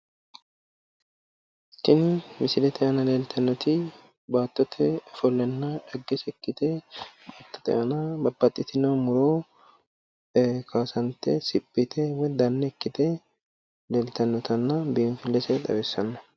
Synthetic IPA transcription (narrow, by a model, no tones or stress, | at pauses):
t̪ːɪnmɪsɪlɛt̪ʰɛʔɐnɐleːlt̪ʰɐnːɔt̪ɪ | baːt̪ːɔt̪ʰɛɔfɔlːɛnːɐᶑɐɡːɛsɛkːɪt̪emɐt̪ːɐ̥t̪ɛ̰ʔɐnɐbɐbːɐt̪ʼːɪt̪ɪnomʊɾoː | kʰaːsɐnt̪ɛ̰sɪpʼːɪt̪ʰɛwɛd̪ɐnːɛɛkːɪt̪ɛ | leːlɪt̪ɐnːɔt̪ɐnːɐbɪːnfɪlːɛsɛd̪ɐ̰bɛsːɐnːɐ̥